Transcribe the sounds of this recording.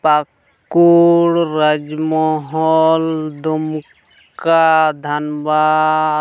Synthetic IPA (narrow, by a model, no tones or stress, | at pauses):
pak | uɽɾad͡ʒmɔɦɔld̪um | kad̪ʱanba